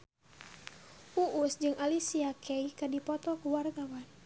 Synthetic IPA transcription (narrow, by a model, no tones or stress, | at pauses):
uʔusd͡ʒɨŋʔalisiakʰɛikadipɔt̪ɔkuwarɡawan